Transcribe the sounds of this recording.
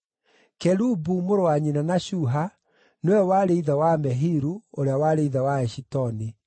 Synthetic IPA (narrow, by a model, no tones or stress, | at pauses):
kɛɾubumoɾowaɲinanaɕuɦa | newɛwaɾeiðawamɛɦiɾuoɾeawaɾeiðawaɛʃitɔni